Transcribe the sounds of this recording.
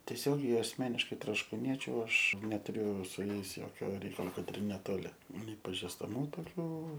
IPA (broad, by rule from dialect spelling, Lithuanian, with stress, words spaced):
tʲiɛˈsʲoːɡʲɛɪ ɐsʲˈmʲæːnʲɪʃkɐɪ troːʃkuːˈnʲiɛt͡ʃʲʊ ˈɐʃ nʲɛtʊˈrʲʊ sʊ ˈjɛɪs ˈjoːkʲoː ˈrʲɛɪkɐlˠoː ˈkɐt ɪr nʲɛˈtoːlʲɪ nʲɛɪ pɐʒʲɪstɐˈmuː toːˈkʲuː